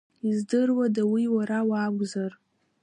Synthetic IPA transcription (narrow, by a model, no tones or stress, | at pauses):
izdɨrwadawiwaɾawaːɡʷzar